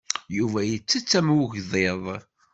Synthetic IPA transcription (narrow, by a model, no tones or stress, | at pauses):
juvæjət͡sːət͡sːæmuʝðeðˤ